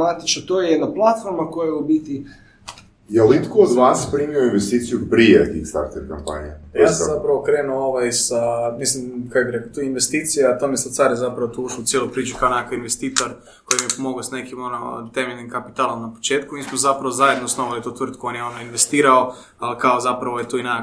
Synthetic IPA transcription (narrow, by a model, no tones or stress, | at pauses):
mat̪it͡ʃnot̪ojejed̪naplˠat̪foɾmakojeubit̪i | jelit̪kood̪ʋaːspɾiːmioinʋest̪iːt̪sijupɾiet̪ixst̪a̰ɾt̪eɾkampa̰niajaːsazapɾaʋokɾe̞ːnuoʋajsamislimkakobiɾekot̪uːinʋest̪iːt̪sijeat̪omjesat̪saːɾjezapɾaʋot̪uuʃout̪jelojpɾiːt͡ʃukaonakaʋinʋest̪iːt̪oɾ | ko̞jimijepomo̞ɡosne̞kimonot̪e̞meʎnimkapi̥t̪aːlˠo̞mnapo̞̥t͡ʃe̞ːt̪kumiːsmozapɾaʋozajed̪nosnoʋalit̪uːt̪ʋrt̪̚kuo̞njeo̞noinʋest̪iːɾao̞ | alikaozapɾaʋo̞jet̪uːina